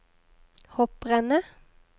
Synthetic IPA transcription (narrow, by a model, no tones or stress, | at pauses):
hɔpʁɛnə